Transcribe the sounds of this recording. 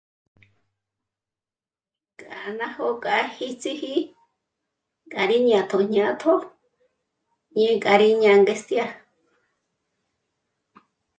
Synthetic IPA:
kʼa˨nã˦ho˧kʼa˧˦hi˧t͡si˦hi˦ | kʼa˨ɾi˦ɲ˧ã˨t̪ʰo˨ɲ̥ɲã˧˦t̪ʰo˦ | ɲĩ˦˧kʼa˧˨ɾi˦ɲã˧ŋɡe˧st̪ja˧

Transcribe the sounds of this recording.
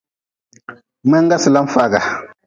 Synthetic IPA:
ma˦ŋ˦ɡa˦si˨la˦m˦fa˦˨ɡa˨

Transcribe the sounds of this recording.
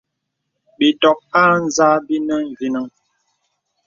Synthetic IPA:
bi˨tɔ˨k̚aː˦n̩˦zaː˦bi˦nə˦ŋ̩˨ɡi˨nə˦ŋ

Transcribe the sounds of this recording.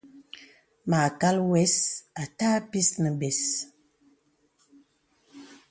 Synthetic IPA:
maː˨ka˦lwɛ˦sa˨taː˦pi˦snə˨bɛ˨s

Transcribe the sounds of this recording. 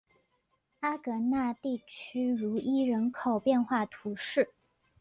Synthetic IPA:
a˥kɤ˧˥na˥˧t̪i˥˩t͡ɕʰy˥ɻu˧˥i˥ɻə˧˥nkʰo˨˩ʊpjɛ˥˧nxwa˥˩t̪ʰu˧˥ʂɻ̩˥˩

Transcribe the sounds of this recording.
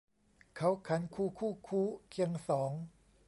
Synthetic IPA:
kʰa˦˥wkʰa˩˦˥nkʰuː˧˩kʰuː˥˩kʰuː˥˩kʰi˧əŋsɔː˩˦ŋ

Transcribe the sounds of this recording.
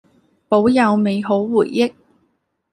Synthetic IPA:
po˨˥wjɐ˨˧wme˨˧jɦo˨˥wːuː˨˩jːɪ˥k̚

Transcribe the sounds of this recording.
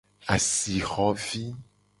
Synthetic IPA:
a˨si˨xɔ˦vi˦

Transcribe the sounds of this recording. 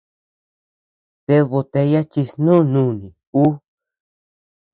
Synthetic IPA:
t̪e˧βo˧t̪e˧ja˦t͡ʃi˧snũ˦nũ˦˨nĩ˨ | u˦

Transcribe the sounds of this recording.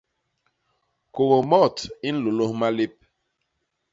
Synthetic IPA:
ko˨wo˨mɔ˦˨ti˦n̩˦lo˨lo˦hma˦le˦p̚

